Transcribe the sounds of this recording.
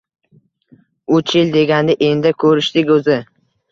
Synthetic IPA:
ʊt͡ʃʰjɪld̪e̞ɡʲand̪ɪʔend̪akʰɵɾɪʃt̪ɪkʲɵzɪ

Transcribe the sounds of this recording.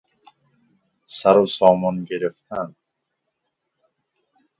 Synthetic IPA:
saɾusɔːmɔnɡeɾeft̪ʰan

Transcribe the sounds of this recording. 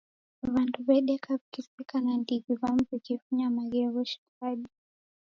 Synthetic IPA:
βanduβɛɗɛkavikispikanandiɡiβamvikifuɲamaɡɛβɔʃi̥ufaɗi

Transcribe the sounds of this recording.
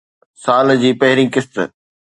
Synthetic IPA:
saːld͡ʑiːpɐɦɪɾɪ̃ːkɪst̪

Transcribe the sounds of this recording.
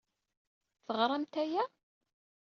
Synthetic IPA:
θəʁɾˤɑmt̪æjæ

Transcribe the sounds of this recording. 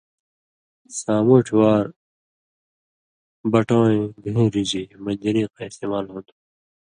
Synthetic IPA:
saːmuʈʰwaːɾ | bɐʈõːẽɡũːɾid͡ʑimɐnd͡ʑɐɾĩːqaist̪eːmaːlɦõːnd̪u

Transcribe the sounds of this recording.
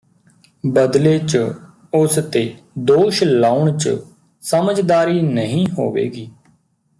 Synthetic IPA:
bəd̪leːt͡ʃ | ʊst̪eːd̪oːʃlaːʊɳt͡ʃ | səməd͡ʒd̪aːɾiːnəɦĩːɦo̰ːʋḛːɡiː

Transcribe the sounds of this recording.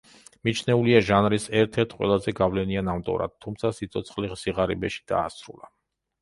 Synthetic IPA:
mit͡ʃʰnɛuliaʒanɾisɛɾt̪ʰɛɾt̪ʰqʼwɛ̰lˠazɛɡavlɛnianamt̪ʼɔ̰ɾa̰d̪̚t̪ʰumt̪sʰasit̪sʰɔt̪sʰχliʁsiʁaɾḭbɛʃi̥d̪̥a̰ːsɾṵlˠa

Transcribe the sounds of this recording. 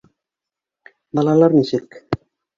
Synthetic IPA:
bɑlˠɑlˠɑɾniʃɘk

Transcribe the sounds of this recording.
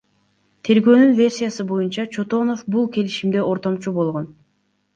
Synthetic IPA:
t̪ʰe̞ɾɡø̞ːnynvʲe̞rsʲijasɯbo̞junt͡ʃɑt͡ʃʰo̞t̪o̞no̞fbulˠke̞liʃimd̪e̞ʔo̞ɾt̪o̞mt͡ʃubo̞lˠʁo̞n

